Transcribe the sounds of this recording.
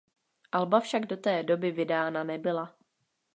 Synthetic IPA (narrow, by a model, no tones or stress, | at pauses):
ʔalbafʃaɡdo̞t̪ɛːdo̞bɪvɪdaːnanɛbɪla